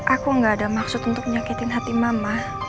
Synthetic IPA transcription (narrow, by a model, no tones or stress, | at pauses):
ʔakuŋɡaːdamaksʊt̪unt̪ʊk̚məɲakit̪ɪnɦat̪imamlah